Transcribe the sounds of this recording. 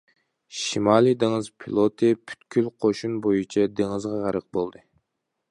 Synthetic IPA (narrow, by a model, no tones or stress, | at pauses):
ʃimɑlid̪eŋɨzpʰilˠot̪ʰɨpʰy̥t̪kʲʰylqʰoʃunbojut͡ʃʰɛd̪eŋɨzʁɑʁæɾəq̚bolˠd̪ɨ